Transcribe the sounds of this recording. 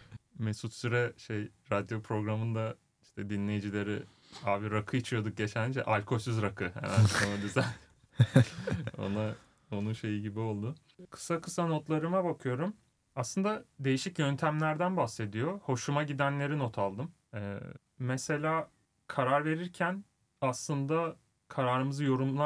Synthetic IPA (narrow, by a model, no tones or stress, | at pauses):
mesut̪syɾɛʃejɾad̪jo̞pʰɾo̞ɡɾamɯnd̪a | iʃt̪ʰɛd̪inlʲe̞jid͡ʒilʲe̞ɾi | aːbiɾakʰɯit͡ʃʰijo̞d̪uk̚ɟe̞t͡ʃʰænd͡ʒɛ̰ʔalʲkʰo̞syzɾakʰɯhḛmænonad̪yzæn | o̞̰na | o̞nunʃe̞jiɟibio̞lˠd̪ʊ | kʰɯ̥sakʰɯsano̞t̪lˠaɾɯmabakʰɯjo̞ɾum | aslˠɯnd̪ad̪e̞jiʃicjønt̪ʰæmlʲæɾd̪ænbahse̞d̪ijo̞ho̞ʃumaɟid̪ænlʲe̞ɾino̞t̪ʰalˠd̪ɯm | ɛ̰ | mese̞lʲaː | kʰaɾaɾve̞ɾiɾcʰæn | aslˠɯnd̪a | kʰaɾaːɾɯmɯzɯjo̞ɾumlˠa